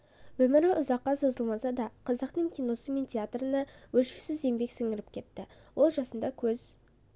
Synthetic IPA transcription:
wɵmɪɾɪʔʊzɑqːɑso̞zəlˠmɑsɑd̪ɑqʰɑzəqt̪əŋkʲʰijno̞səme̞nt̪ʰʲeat̪rənɑwɵʃɪksɪze̞mbe̞ksɪŋɪɾɪp̚kʲʰe̞t̪ːɪ | wʔo̞lˠʒɑsənd̪ɑkʲʰɵz

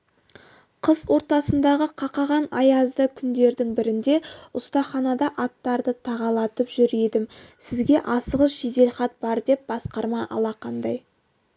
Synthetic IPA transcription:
qʰəzwo̞ɾt̪ɑsənd̪ɑʁəqʰɑqɑʁɑnɑjɑzd̪əkʲʰʏnd̪e̞ɾd̪ɪŋbɪɾɪnd̪e̞ʊst̪ɑχɑnɑd̪ɑʔɑt̪ːɑɾd̪ət̪ʰɑʁɑlˠɑt̪əpʒ̥ʏɾe̞d̪ɪmsɪzɡʲe̞ʔɑsəʁəsʒ̥ed̪e̞lχɑt̪̚b̥ɑɾd̪e̞p̚bɑsqɑɾmɑʔɑ̰lˠɑqʰɑnd̪ɑj

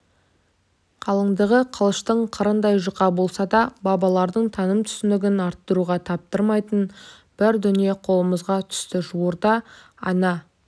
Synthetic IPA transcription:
qʰɑlˠəɴd̪əʁəqʰəlˠəʃt̪əɴqʰəɾənd̪ɑjʒəqɑbo̞lˠsɑd̪ɑbɑbɑlˠɑɾd̪əɴt̪ʰɑnəmt̪ʰʏ̥sɪnd̪ɪɡʲɪnɑɾt̪ːəɾuʁɑt̪ʰɑp̚t̪əɾmɑjt̪ən | b̥ɪɾd̪ʏnije̞qʰo̞lˠəməzʁɑt̪ʰʏ̥st̪ɪʒuwoɾd̪ɑ | ɑ̰nɑ

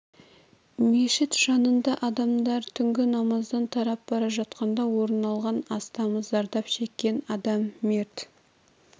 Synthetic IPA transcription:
me̞ʃɪt̪ʒ̥ɑnənd̪ɑʔɑd̪ɑmd̪ɑɾt̪ʰʏŋɡʲɪnɑmɑzd̪ɑnt̪ʰɑɾɑp̚bɑɾɑʒɑt̪qɑnd̪ɑwo̞ɾənɑlˠʁɑnɑst̪ɑməzɑɾd̪ɑpʃe̞kʲːe̞nɑd̪ɑmːeɾt̪

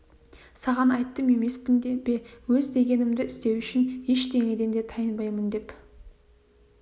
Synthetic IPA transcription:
sɑʁɑnɑjt̪ːəme̞me̞spɪnd̪ebe̞wɵzd̪e̞ɡʲe̞nɪmd̪ɪɪst̪e̞wʏʃɪnje̞ʃt̪e̞ŋed̪end̪e̞t̪ʰɑjənbɑjmənd̪e̞p

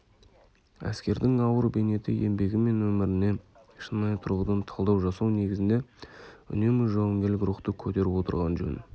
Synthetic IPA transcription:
æ̰skʲe̞ɾd̪ɪŋɑwəɾbene̞t̪ɪe̞mbe̞ɡʲɪme̞nwɵmɪɾɪne̞ | ʃənmɑjt̪ʰʊɾʁəd̪ɑnt̪ʰɑlˠd̪ɑwʒɑsɑwne̞ɡʲɪzɪnd̪e̞ʏ̰ne̞mɪʒoʁɑmɡʲe̞lɪkʲɾuχt̪əkʲʰɵt̪e̞ɾɪpwo̞t̪ə̰ɾʁɑnʒɵ̰n

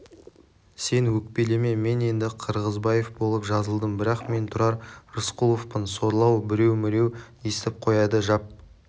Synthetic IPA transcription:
se̞nwɵk̚pe̞le̞me̞me̞ne̞nd̪ɪqʰəɾʁəzbɑje̞fbo̞lˠəpʒɑzəlˠd̪əmbɪɾɑqme̞nt̪ʰʊɾɑɾrʊsqulˠofpənso̞ɾlˠɑwbɪɾe̞wmɪɾe̞w | est̪ɪp̚qʰo̞jɑd̪əʒɑp̚

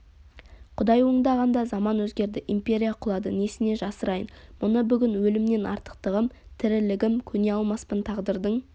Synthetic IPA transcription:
qʰʊd̪ɑjwo̞ɴd̪ɑʁɑnd̪ɑzɑmɑnwɵzɡʲe̞ɾd̪ɪʔimpʲe̞ɾʲijaqʰʊlˠɑd̪əne̞sɪne̞ʒɑsəɾɑjənmʊnəbʏɡʲɪnwɵlɪmne̞nʔɑ̰ɾt̪ə̥qt̪əʁəmt̪ʰɪɾɪlɪɡʲɪmkʲʰɵne̞ɑlˠmɑspənt̪ʰɑʁd̪əɾd̪əɴ

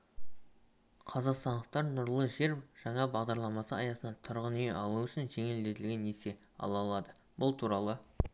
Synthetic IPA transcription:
qʰɑzɑqst̪ɑnd̪əq̚t̪ɑɾnʊɾlˠəʒe̞ɾʒ̥ɑɴɑbɑʁd̪ɑɾlˠɑmɑsəɑjɑsənɑt̪ʰʊɾʁəneʔɑlˠuʏʃɪnʒe̞ŋe̞ld̪e̞t̪ɪlɡʲe̞nːese̞ | ɑ̰lˠɑlˠɑd̪əbʊlˠt̪ʰuɾɑlˠə

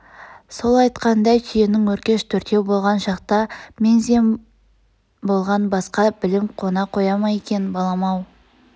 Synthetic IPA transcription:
so̞lˠɑjt̪qɑnd̪ɑjt̪ʰijenɪŋwɵɾkʲe̞ʃt̪ʰɵɾt̪e̞wbolˠʁɑnʃɑqt̪ɑmʲe̞nzm | bo̞lˠʁɑnbɑsqɑbɪlɪmqʰo̞nɑqʰo̞jɑmɑje̞kʲe̞nbɑlˠɑmɑw

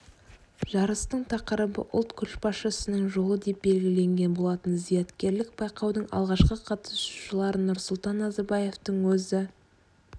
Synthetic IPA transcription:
ʒ̥ɑɾəst̪əɴt̪ʰɑqəɾəbə̰ʔʊ̰lˠt̪kʲʰʏʃbɑsʃəsənəɴʒo̞lˠəd̪e̞p̚be̞lɡʲɪle̞ŋɡʲe̞nbo̞lˠɑt̪ənzijɑt̪kʲe̞ɾlɪk̚b̥ɑjqɑwd̪əɴɑ̰lˠʁɑʃqəqʰɑt̪ə̥su̥ʃəlˠɑɾənʊɾsʊlˠt̪ɑnːɑzɑɾbɑje̞ft̪əɴwɵzɪ

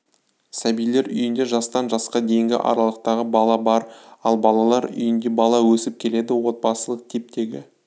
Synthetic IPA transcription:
sæbijle̞ɾʏ̰jɪnd̪e̞ʒɑst̪ɑnʒɑsqɑd̪e̞jɪŋɡʲɪ̰ʔɑ̰ɾɑlˠəq̚t̪ɑʁəbɑlˠɑbɑɾɑlˠbɑlˠɑlˠɑɾʏ̰jɪnd̪e̞bɑlˠɑwɵsɪp̚kʲʰe̞le̞d̪ɪwo̞t̪̚pɑsəlˠəq̚t̪ʰe̞p̚t̪e̞ɡʲɪ̰

